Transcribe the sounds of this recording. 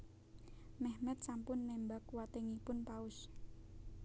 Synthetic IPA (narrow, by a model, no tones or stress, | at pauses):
mɛhmɛt̪̚sampʊnːɛmbak̚wat̪eŋipʊnpaʊs